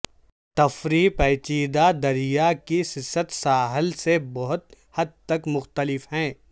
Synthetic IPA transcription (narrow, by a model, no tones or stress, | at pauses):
t̪ɐfɾipɛːt͡ʃiːd̪ad̪ɐɾijakisɪsət̪saːɦəlsebɔɦʊt̪ | hɐd̪̚t̪ɐkmʊxt̪əlɪfhɛ̃ː